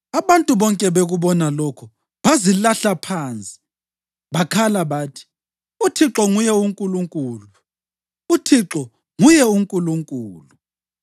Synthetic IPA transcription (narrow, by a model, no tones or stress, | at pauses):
aβantʼuβɔŋkʼɛβeɣuβɔnalɔkʰɔ | βazilaɬapʰant͡sʼi̥ | βakʰalaβaːtʰi̥ | utʰiǁɔŋujɛuŋkʼuluŋkʼuːlu | utʰiǁɔ | ŋujɛuŋkʼuluŋkʼuːlu